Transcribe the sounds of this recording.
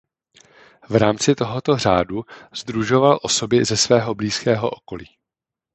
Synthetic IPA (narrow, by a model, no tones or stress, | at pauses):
vɾaːmt͡sɪt̪o̞ɦo̞t̪o̞r̝aːduz̥d̪ɾuʒo̞valʔo̞so̞bɪzɛsvɛːɦo̞bliːskɛːɦo̞̰ʔoko̞liː